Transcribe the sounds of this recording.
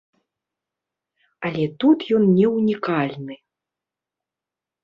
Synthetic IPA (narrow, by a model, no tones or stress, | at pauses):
alʲɛt̪ut̪jɔnnʲɛwnʲikalʲnɨ